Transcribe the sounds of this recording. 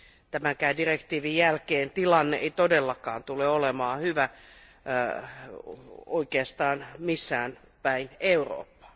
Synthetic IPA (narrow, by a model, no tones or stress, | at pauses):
t̪æmæŋkæidirekt̪iːʋijjælkeːnt̪ilɑnːeʔḛit̪odelːɑkɑːnt̪uleolemɑːhyʋæ | oikeɑst̪ɑːnmisːæːn | pæineuro̰ːpːɑ̥